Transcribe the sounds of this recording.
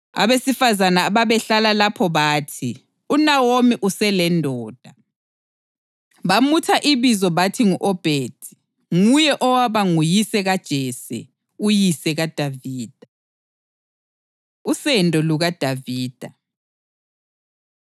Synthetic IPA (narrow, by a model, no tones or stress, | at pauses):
a̰βesifazanaːβaβɛɬalalapʰɔβaːtʰi | unawomiʔusɛlɛndʱɔːd̥ʱa | βamutʰaʔiβizɔβatʰiŋuʔɔb̥ʱeːd̥ʱi̥ | ŋujɛʔɔwaβaŋujisɛɣad̥ʒ̥ʱɛsɛ̰ | ujisɛɣad̥ʱaviːd̥ʱa | usɛndʱʼɔluɣad̥ʱaviːd̥ʱa